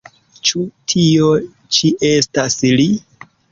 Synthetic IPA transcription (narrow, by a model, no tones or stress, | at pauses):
t͡ʃutʰio | t͡ʃiʔe̞stasli